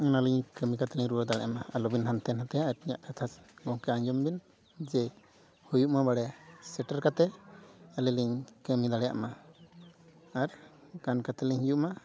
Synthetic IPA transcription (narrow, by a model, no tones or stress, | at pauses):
ɔnaliɲkəmikat̪ɛliɲɾuɔd̪aɭɛ̰ʔmaalɔbinant̪ɛnɦat̪ɛjaʔaɾiɲa̰ʔkʰat̪ʰasɡɔŋkɛaɲd͡ʒɔmbin | d͡ʒɛ | hujuʔmabaɽɛsɛʈaɾkat̪ɛalɛliɲkəmid̪aɭɛja̰ʔma | ɾkankat̪ɛliɲhijuʔma